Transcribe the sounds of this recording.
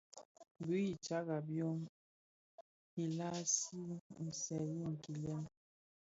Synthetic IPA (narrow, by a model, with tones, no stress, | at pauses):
bu˨˦i˨t͡ʃa˦ɣa˨bjɔ˦ŋ | i˨la˦si˦n̩˨sɛ˨ji˦˨ŋ̩˨ki˨lɛ˦n